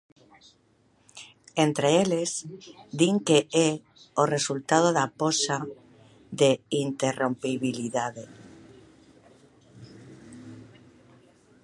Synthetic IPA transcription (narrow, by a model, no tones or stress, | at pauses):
ent̪ɾeelezd̪iŋkee | oresult̪að̞oðaposa | ðeint̪erompiβiliðaðe